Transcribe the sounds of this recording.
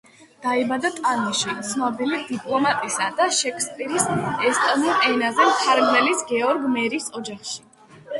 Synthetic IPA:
d̪̥aibad̪at̪ʼaniʃit̪sʰnɔbilid̪ipʼlˠɔmat̪ʼisad̪aʃɛkʰspʼiɾisɛst̪ʼɔnulˠɛnazɛmt̪ʰaɾɡlɛlisɡɛɔɾɡmɛɾisɔd͡ʒaχʃi̥

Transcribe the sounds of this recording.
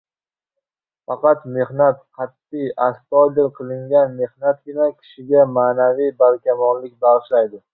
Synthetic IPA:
fɑqɑt̪me̞hnat̪qʰɑt̪ːɪjast̪ɒd̪ɪlqʰɨlˠɪŋɡʲanme̞hnat̪̚kʲɪnakʲʰɪ̥ʃɪɡʲamaːnavijbalkʲʰamɒnlɪk̚ʲbɑʁɨʃlajd̪ɪ

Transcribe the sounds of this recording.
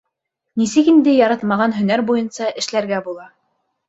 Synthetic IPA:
nisɘkind̪ɘjɑɾɑt̪mɑʁɑnɦɵ̆næɾbujɤnsɑʔɘ̆ʃlæɾɡæbulˠɑ

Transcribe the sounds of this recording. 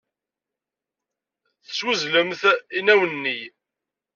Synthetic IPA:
θə̥swəzləmθinæwənːi

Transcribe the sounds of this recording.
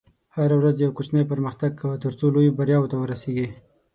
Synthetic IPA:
haɾawɾazjawkut͡ʃnajpəɾməxt̪aɡ̚kawet̪əɾt͡solojobaɾjɑwəɾt̪awəɾaseɡi

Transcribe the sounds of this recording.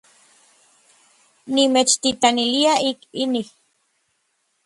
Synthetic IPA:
nimet͡ʃt̪it̪aniliaikinih

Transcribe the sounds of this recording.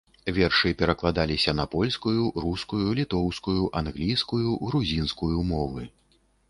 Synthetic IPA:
vʲɛrʂɨpʲɛɾɐklˠad̪alʲisʲɐnɐpɔlʲskujuɾuskujulʲit̪ɔwskujuʔanɣlʲijskujuɣɾuzʲinskujumɔvɨ

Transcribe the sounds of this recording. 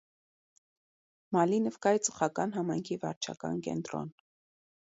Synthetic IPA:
mɑlinəvkɑjt͡sʰə̥χɑkɑnɦɑmɑjŋkʰivɑ̰ɾt͡ʃʰɑ̰kɑ̰nkɛ̰nt̪ɾɔ̰n

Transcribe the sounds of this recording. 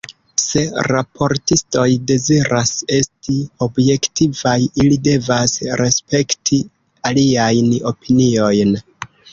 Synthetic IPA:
se̞ɾapʰo̞ɾtisto̞jde̞ziɾase̞stio̞bje̞ktivajilide̞vasɾe̞spe̞ktʰi | aliajno̞pinio̞jn

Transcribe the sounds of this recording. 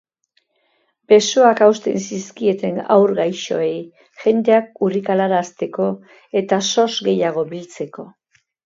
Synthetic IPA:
be̞soakawst̪e̞̰nsiskie̞t̪e̞na̰wɾɣajʃo̞̰e̞j | ʝe̞nd̪e̞ak̚urikalaɾaːst̪e̞ko̞ | e̞t̪aso̞zɣe̞jaɣ̞o̞bilt͡se̞ko̞

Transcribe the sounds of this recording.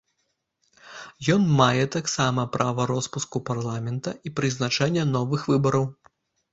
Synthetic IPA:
jɔnmajɛt̪aksamɐpɾʔavɐɾɔspuskuparlˠamʲɛnt̪ɐʔipɾɨznat͡ʂɛnʲːɐnɔvɨxvɨbɐɾɐw

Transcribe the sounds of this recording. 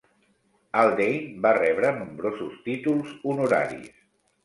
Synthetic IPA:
alˠd̪ejnbarɛβɾənumbɾozust̪it̪ulˠzunuɾa̰ɾḭs

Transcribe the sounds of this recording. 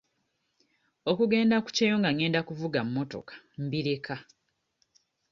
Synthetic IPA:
o̞kuɡe̞ːndaku̥cejo̞ŋɡaɲe̞ːndakuvuɡamumːo̞to̞̰kḁ | m̩biɾe̞kʰa

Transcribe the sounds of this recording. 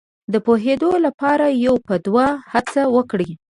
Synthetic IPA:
d̪əpoɦed̪olapɑɾajawpəd̪wahat͡sawəkɽi

